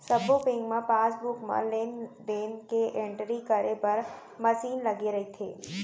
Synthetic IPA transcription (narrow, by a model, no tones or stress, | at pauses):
sɐbopɪ̃ŋɡmãpaːsbʊkmã̰leːnd̪eːnkeʔẽɳʈɾikɐɾepɐɾ | mɐsiːnlɐɡeɾɐɦit̪ʰḛː